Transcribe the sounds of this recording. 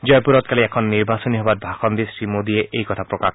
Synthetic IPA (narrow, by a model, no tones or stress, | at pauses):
d͡ʒɔjpuɾɔt̪̚kaliɛkʰɔnːiɹbasɔniɦɔbat̪̚bʱaxɔnd̪isɹimod̪iɛʔejkɔt̪ʰapɹɔkak